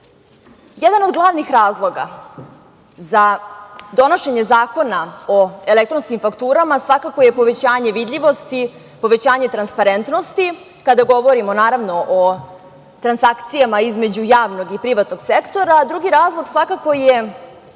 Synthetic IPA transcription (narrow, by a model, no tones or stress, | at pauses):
jɛd̪anod̪ɡlˠaʋnixɾaːzlˠo̞ɡa̰ | zad̪o̞noʃe̞ɲe̞zaːko̞naoe̞lekt̪ɾonskimfakt̪uːɾamasʋakako̞je̞po̞ʋet͡ɕaːɲe̞ʋid̪ʎʲiʋo̞st̪i | po̞ʋet͡ɕaːɲet̪ɾanspaɾent̪no̞st̪i | kad̪aɡo̞ʋo̞ɾimo̞naːɾaʋno̞ʔo | t̪ɾansakt̪sijamaizme̞d͡ʑujaːʋno̞ɡipɾiʋat̪no̞ɡ̥sekt̪o̞ɾad̪ɾuɡiɾaːzlˠo̞ɡsʋakako̞je